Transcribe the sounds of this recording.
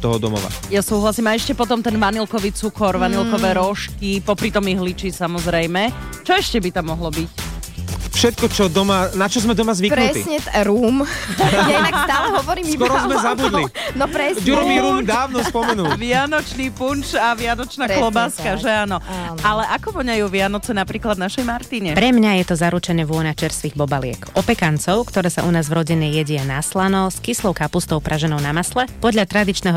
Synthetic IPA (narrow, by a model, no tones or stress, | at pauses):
t̪ɔɦɔd̪ɔmɔ̰ʋa̰jasuːɦlasiːmaɛʃcɛpɔt̪ɔmt̪ɛnʋanilkɔʋiːt͡sukɔɾʋanilkɔʋɛːɾɔʃkipɔpɾit̪ɔmiɦlit͡ʃisamɔzɾɛjmɛ | t͡ʃɔɛʃcɛbit̪amːɔɦlɔbic | fʃɛt̪̚kɔt͡ʃɔd̪ɔmanat͡ʃɔzmɛd̪ɔmazʋipɾnut̪sɲɛt̪ɾuːmjaɛnakt̪amɦɔʋɔɾiːmskɾɔzmɛzabud̪linɔpɾɛd͡ʒuɾɔmiɾuːmd̪aːʋnɔspɔmɛnulʋɪanɔt͡ʃniːpunt͡ʃaʋɪanɔt͡ʃnaklɔbaːskaʒɛaːnɔʔalɛʔakɔʋɔɲajuːʋɪanɔt͡sɛnapɾiːklad̪naʃɛjmaɾt̪iːɲɛpɾɛmɲajɛt̪ɔzaɾut͡ʃɛɲɛʋʊɔnat͡ʃɛɾst̪ʋiːɣbɔbalɪɛ̰kʔɔpɛkant͡sɔʊkt̪ɔɾɛːsaʔunaːzvɾɔɟiɲɛjɛɟɛanaslanɔskislˠɔʊkapust̪ɔʊpɾʔaʒɛnɔʊnamaslɛpɔd̪ʎat̪ɾad̪it͡ʃnɛɦɔ